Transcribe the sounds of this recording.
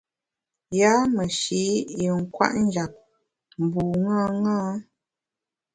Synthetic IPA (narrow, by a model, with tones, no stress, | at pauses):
ja˦mə˨ʃi˨˦i˨ŋ̩˦˨kwa̰˦ʔn˦d͡ʒa˨k̚ | m˨bu˨ŋa˦ŋaː˦